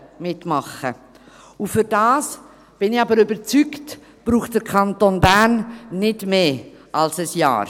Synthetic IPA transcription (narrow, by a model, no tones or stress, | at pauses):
mɪtmɑχə | ʊfʏɾd̥ɑːs | b̥ɪnɪɑbəɾøbəɾt͡sykt | b̥ɾuːχtd̥əɾkʰɑntonbæɾnːɪdmeːʔɑlsəsjɑ̰ːɾ